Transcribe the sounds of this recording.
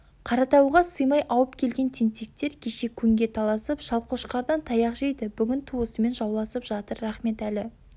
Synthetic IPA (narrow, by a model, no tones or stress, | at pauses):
qʰɑɾɑt̪ɑwʁɑsəjmɑjʔɑwəp̚kʲʰe̞lɡʲe̞nt̪ʲʰent̪ek̚t̪e̞ɾkʲʰe̞ʃe̞kʲʰɵŋɡʲe̞t̪ʰɑlˠɑsəpʒɑlˠqʰoʃqɑɾd̪ɑnt̪ʰɑjɑqʒejd̪ɪbʏɡʲɪnt̪ʰuəsəme̞nʒɑwlˠɑsəpʒ̥ɑt̪əɾːɑχme̞t̪ælɪ